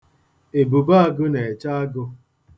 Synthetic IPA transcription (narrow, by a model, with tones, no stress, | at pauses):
e˨bu˨ba˦a˦ɡʊ˦ne˨e˨t͡ʃa˦a˦ɡʊ˧